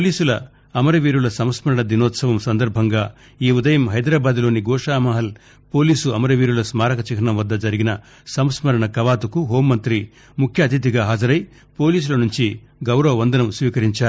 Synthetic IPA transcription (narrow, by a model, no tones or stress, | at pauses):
poliːsulɐ | ɐmɐɾɐʋiːɾulɐsɐmsmɐɾɐɳɐd̪inɔːt̪sɐʋɐmsɐnd̪ɐɾbʱɐŋɡaː | iːud̪ɐjɐmɦɐjd̪ɾaːbaːd̪lo̞ːniɡɔːʂaːmɐɦɐl | po̞ːliːsuɐmɐɾɐʋiːɾulɐsmaːɾɐkɐt͡ʃiɦʰɐɳɐmʋɐd̪ːɐd͡ʒɐɾiɡinɐ | sɐmsmɐɾɐɳɐkɐʋaːt̪ukuɦoːmːɐnt̪ɾi | mukʰjɐːt̪it̪̬iɡaːɦaːd͡ʒɐɾɐj | po̞ːliːs̬ulɐnuɲt͡ʃi | ɡɐwɾɐʋɐʋɐnd̪ɐnɐmsʋiːkɐɾiɲt͡ʃaːɾu